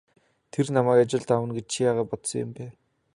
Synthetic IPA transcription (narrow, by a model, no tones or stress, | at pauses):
t̪ʰernamæːkat͡ɕɪ̆ɮt̪awə̆nɡet͡ɕt͡ɕʰijaːʁaːpɔt̪sɞ̃̆ŋjʊ̰mpæː